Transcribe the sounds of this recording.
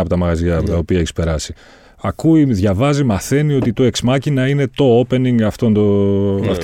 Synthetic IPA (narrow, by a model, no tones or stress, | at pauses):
ɐpot̪ɐmɐɣɐziɐpot̪ɐo̞piɐe̞çi̥spe̞ɾɐsi | ɐkuiðʝɐvɐzimɐθe̞nio̞t̪it̪o̞e̞ksmɐcinɐine̞t̪o̞ope̞niŋɡɐft̪o̞nd̪oɐ̰f